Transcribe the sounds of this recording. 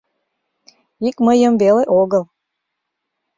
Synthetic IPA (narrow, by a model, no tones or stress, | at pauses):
ikməjəmveleʔoɣəlˠ